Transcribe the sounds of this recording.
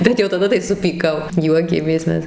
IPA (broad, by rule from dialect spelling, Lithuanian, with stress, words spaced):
ˈbʲɛt jɛʊ tɐˈdɐ tɐɪ sʊpʲiːˈkɐʊ ˈjuɔkʲeːmʲeːs ˈmʲɛs